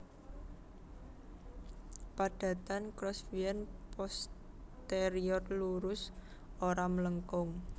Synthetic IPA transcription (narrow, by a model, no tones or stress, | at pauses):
paɖ̥ä̤t̪ankɾɔsfiɛnpɔs | t̪eɾiɔrluɾʊs | oɾamələŋkʊŋ